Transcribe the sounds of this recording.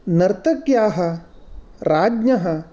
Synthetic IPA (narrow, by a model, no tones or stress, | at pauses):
nɐɾt̪ɐkjaːɦɐ | ɾaːd͡ʒnɐɦɐ